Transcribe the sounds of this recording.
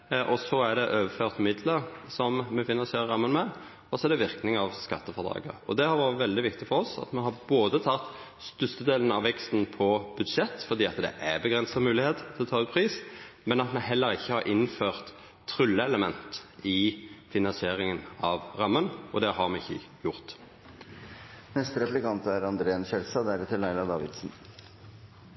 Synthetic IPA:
ʔɔsɔæɖ̪ɛʔøːʋəføːʁt̪mɪd̪ləɾsɔmmɛfɪnɑnsɪeːɾəɾɑmːənmɛ | ɔsɔɛɖ̪ɛʋɪɾknɪŋɑʋskɑt̪ːəfɔʁd̪ɑ̰ːɡə̰ɾɔ̰d̪ɛhɑɾʋɑːɾət̪ʋɛld̪ɪʋɪkt̪ɪfɔɾɔsɑ̰t̪mɛɦɑɾboːd̪ət̪ʰɑt̪ | st̪ʏst̪əd̪eːlənɑʋːɛkst̪n̩pʰɔb̥ʉd̪ʂɛt̪ːfɔɾd̪iːɑt̪d̪ɛ̰ʔæbəɡʁɛnsɑmʉːlɪheːt̪t̪ʰːɪlɔt̪ʰɑːʉːt̪̚pʰɾiːsmɛnɑt̪mɛɦɛlːəɾɪçːəhɑɾʔɪnːføːʁt̪ʰː | ʁʉlːəɛləmɛnt̪ɪfɪnɑnsɪeːɾɪŋənɑʋʁɑmːənɔd̪ɛhɑɾmɛɪçːə̰jʊʁt̪ | nɛst̪əɾɛplɪkɑnt̪æɾɑnd̪ɾeːnɕɛlsɑd̪æɾɛt̪ʰɪlɑɪlɑd̪ɑːʋɪ̰d̪sn̩

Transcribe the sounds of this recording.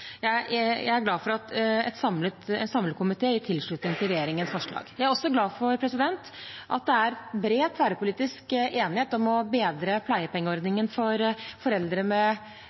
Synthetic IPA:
jæɪjæ̰ɪæɾɡlɑːfɔɾɑt̪ɛ̰t̪sɑmlət̪ɛnsɑmləkʊmɪt̪ʰeːɪt̪ʰɪlʂɭʉt̪nɪŋt̪ʰɪɾɛjeːɾɪŋənsfɔʂɭɑ̰ːɡjæɪæɾɔsːɔɡlɑːfɔɾpʰɾɛsɪd̪ɛnt̪ | ʔɑ̰t̪̚d̪ɛæɾbɾeːt̪fæːɾəpʊliːt̪ɪskeːnɪheːt̪ɔmɔbeːd̪ɾəpʰlæɪəpʰɛŋːəɔɾd̪nɪŋənfɔɾfɔɾɛld̪ɾəmɛ

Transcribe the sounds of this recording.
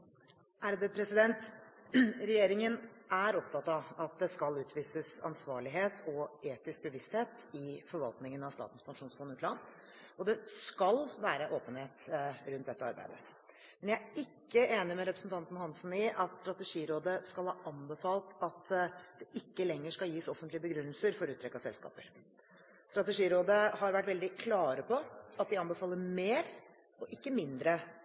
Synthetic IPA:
ʔæɾbəpʰɾɛsɪd̪ɛnt̪ | ɾɛjeːɾɪŋənæɾɔpt̪ʰɑt̪ɑɑt̪̚d̪ɛskɑlʉːt̪ʰʋiːsəsɑ̰nsʋɑːɭɪɦeːt̪ʰɔeːt̪ɪsk̚bəʋɪst̪heːt̪ | ɪfɔɾʋɑlˠt̪nɪŋənɑʋst̪ɑ̰ːt̪n̩spʰɑŋʂuːnsfɔnʉːt̪lɑn | ɔd̪ɛskɑlʋæːɾəʔoːpənheːt̪ɾʉnt̪̚d̪ɛt̪ːəɑɾbæ̰ɪd̪ə̰ | mɛnjææɪkːəeːnɪmɛɾɛpɾəsənt̪ɑnt̪n̩hɑnsn̩ɪʔɑt̪st̪ɾɑt̪ɛʂiːɾoːd̪əskɑlˠhɑːʔɑnbəfɑːlt̪ɑt̪d̪̥ɛʔɪkːəlɛŋːəʂkɑljiːsɔfənt̪lɪəbəɡɾʉnːəlsəɾfɔɾʉːt̪ʰɾɛkːɑsɛlskɑ̰ːpəɾ | st̪ɾɑt̪ɛʂiːɾoːd̪əhɑɾʋæʈːʋɛld̪ɪkʰlɑːɾəpʰɔɑt̪̚d̪ɪɑnbəfɑːlːəɾmeːɾ | ɔʔɪkːəmɪnd̪ɾə

